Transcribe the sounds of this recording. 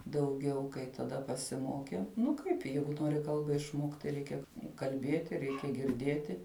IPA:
dɐʊˈɡʲɛʊ kɐɪ tɐˈdɐ pɐsʲɪˈmoːkʲɛʊ ˈnʊ ˈkɐɪp ˈjɛɪɡʊ ˈnoːrʲɪ ˈkɐlˠbɐ ɪʃˈmoːkt tɐɪ ˈrʲɛɪkʲɛ kɐlʲˈbʲiɛtʲɪ ˈrʲɛɪkʲɛ ɡʲɪrʲˈdʲiɛtʲɪ

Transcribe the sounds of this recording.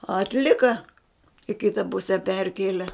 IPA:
ɐtʲˈlʲɪkɐ ɪ ˈkʲɪtɐ ˈpʊsʲɛ ˈpʲɛrʲkʲeːlʲɛ

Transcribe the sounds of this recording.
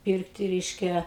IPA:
ˈpʲiːrktʲɪ ˈrʲɛɪʃʲkʲɛ

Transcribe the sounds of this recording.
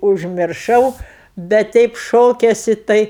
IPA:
ʊʒʲmʲɪrˈʃɐʊ bʲɛt ˈtʲɛɪp ˈʃoːkʲɛsʲɪ ˈtɐɪ

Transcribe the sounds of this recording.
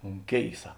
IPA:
ʊn ˈkʲeːɪsɐ

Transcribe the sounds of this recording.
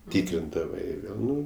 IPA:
ˈtʲɪkrʲɪndɐʋɐɪ ˈʋʲeːlˠ ˈnʊ

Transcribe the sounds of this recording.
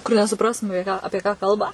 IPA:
kʊr nʲɛsʊˈprɑːstʊm ɐˈpʲiɛ ˈɑːpʲiɛ kɑː ˈkɐlˠbɐ

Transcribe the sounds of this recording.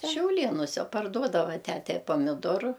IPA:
ʃʲɛʊˈlʲeːnʊsʲɛ pɐrˈduɔdɐʋɐ ˈtʲætʲɛ ɪ pɐmʲɪˈdoːrʊ

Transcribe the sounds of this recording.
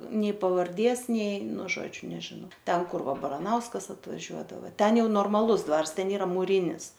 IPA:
ˈnʲɛɪ pɐʋɐrʲˈdʲeːs ˈnʲɛɪ ˈnʊ ˈʒoːd͡ʒʲʊ nʲɛʒʲɪˈnɐʊ ˈtʲɛn ˈkʊr ˈʋɐ bɐrɐˈnɐʊskɐs ɐtʋɐˈʒʲuɔdɐʋɐ ˈtʲɛn ˈjɛʊ noːrmɐˈlˠʊs ˈdʋɐrs ˈtʲɛn ˈiːrɐ muːˈrʲiːnʲɪs

